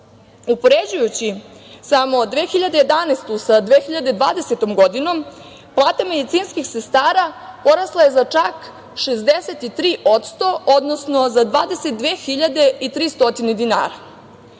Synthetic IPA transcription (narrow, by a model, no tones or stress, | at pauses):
upo̞ɾed͡ʑujut͡ɕisamo̞d̪ʋeːxiʎad̪eje̞d̪anest̪usad̪ʋexiʎad̪ed̪ʋaːd̪e̞set̪o̞mɡo̞d̪ino̞m | plˠaːt̪ame̞d̪it̪siːnskixsest̪aːɾapo̞ɾaslˠaje̞zat͡ʃak | ʃezd̪eset̪it̪ɾiːʔo̞t̪st̪o̞o̞d̪nosno̞zad̪ʋaːd̪e̞set̪̚d̪ʋeːxiʎad̪e̞it̪ɾiːst̪o̞t̪ined̪ina̰ːɾa